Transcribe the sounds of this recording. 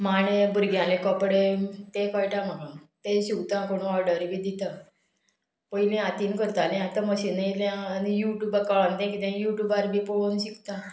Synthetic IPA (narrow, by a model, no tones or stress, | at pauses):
maɳ̃ebʱuɾɡjãlekɔpɽet̪ẽkɔjʈamaɡat̪ẽɕiwt̪ãkoɽ̃ũɔɾɖəɾbid̪it̪a | pəilẽat̪iːnkəɾt̪alẽat̪ãməɕiniljãːnijuʈjuːbəkaɭant̪ɛ̃kit̪ɛ̃juʈuːbaɾbipɔɭonɕikt̪ã